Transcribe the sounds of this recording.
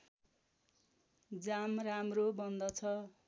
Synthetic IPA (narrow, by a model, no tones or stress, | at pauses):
d͡zamramrobʌnd̪ʌt͡sʰʌ